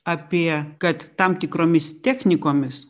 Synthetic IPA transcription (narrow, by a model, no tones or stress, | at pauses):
ɐpʲiɛkɐt̪ːɐmt̪ʲɪkɾoːmʲɪst̪ʲæːxʲnʲɪkoːmʲɪs